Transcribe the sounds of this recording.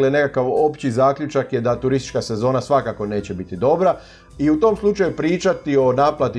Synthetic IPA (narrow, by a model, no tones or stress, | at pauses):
leene̞kakaʋo̞pt͡ɕizaːkʎut͡ʃakjed̪at̪uɾist̪i̥t͡ʃkase̞zo̞ːnasʋakako̞ne̞ːt͡ɕe̞bit̪id̪o̞bɾa | iut̪o̞ːmslˠut͡ʃajupɾiːt͡ʃat̪io̞naːplat̪i